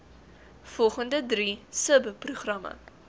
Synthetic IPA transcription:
fɔlˠχəndədrisəbəpruχrɐmə̰

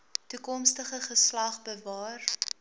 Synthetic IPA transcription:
tukɔmstəχəχəslɐχbəvɑːr

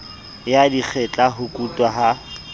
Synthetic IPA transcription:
jadik͡xʰɛt͡ɬʼaɦʊkʼutʼwaɦa

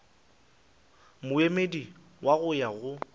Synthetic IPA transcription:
mʊemedi | waɣʊjaɣʊ

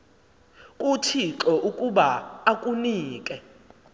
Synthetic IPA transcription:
kʼutʰiǁɔʔukʼuɓaakʼuniːkʼɛ

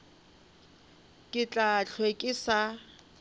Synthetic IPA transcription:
kʼɪt͡ɬʼat͡ɬʰwekʼɪsa

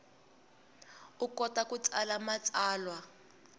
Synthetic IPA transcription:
ukɔtakut͡sʼalamat͡sʼaːlwa

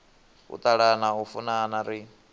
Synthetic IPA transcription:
ṵt̪ʼaɺanaɦufunanaɾi

